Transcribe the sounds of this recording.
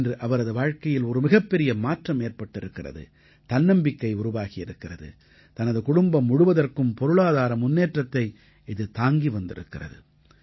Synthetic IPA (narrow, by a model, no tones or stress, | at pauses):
ndrɯʔɐʋɐɾɐðɯʋaːɻkɐjɪlɔɾɯmɪɣɐpːɛɾɪjɐmaːʈrɐmeːɾpɐʈːɪɾɯkːɪrɐ̰ðɯ̰ | t̪ɐnːɐmbɪkːɐɪʊɾʊʋaːɣɪjɪɾɯkːɪrɐðɯ̰ | t̪ɐnɐðɯkʊɽʊmbɐmːʊɽɯʋɐðɐrkɯmpɔɾɯɭaːðaːɾɐmʊnːeːʈrɐt̪ːɐɪ | ɪðɯt̪aːŋɡiʋɐnd̪ɪ̰ɾɯ̰kːɪrɐ̰ðɯ̰